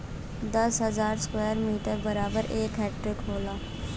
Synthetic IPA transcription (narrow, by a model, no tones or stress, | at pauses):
d̪əsɦəzaːɾskweːəɾmiːʈəɾbəɾaːbəɾʔeːkɛːʈɾɪkɦoːlaː